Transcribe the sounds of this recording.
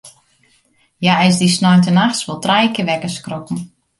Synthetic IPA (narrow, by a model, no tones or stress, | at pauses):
jaɛs̬disnɔjntənaxsʋolˠtrɛjkəʋɛkəskrokn̩